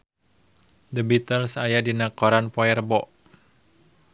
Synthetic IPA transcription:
d̪əbit̪əlsajadinakɔɾanpɔɛrbɔʔ

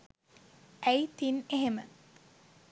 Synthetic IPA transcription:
ʔæjt̪ineɦemə

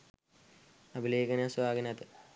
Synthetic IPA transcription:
ɐbʱileːkɐnasʋaːɡɐnat̪ɨ

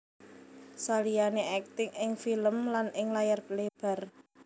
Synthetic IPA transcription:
salijaneʔɛk̚t̪ɪŋɪŋfiləmlanʔɪŋlajarpleb̥a̤r

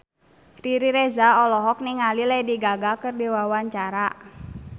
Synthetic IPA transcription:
riɾiɾezaɔlɔɦɔk̚niŋalilɛjdiɡaɡakɨrdiwawaɲt͡ʃaɾa

